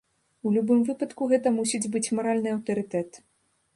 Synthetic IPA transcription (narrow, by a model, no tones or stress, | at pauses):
ulʲubɨmvɨpɐt̪kuɣɛt̪ɐmusʲid͡zʲbɨt͡sʲmɐɾalʲnɨɐwt̪ɐɾɨt̪ɛt̪